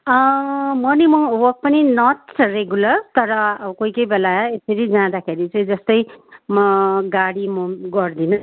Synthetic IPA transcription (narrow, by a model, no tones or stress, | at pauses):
ʌmʌnimʌwʌk̚pʌninʌtt͡sʰreɡulʌrt̪ʌɾʌkojkʌjbelaesʌɾid͡zãd̪akʰeɾit͡saĩd͡zʌst̪ʌjmʌɡaɽimʌɡʌrd̪inʌ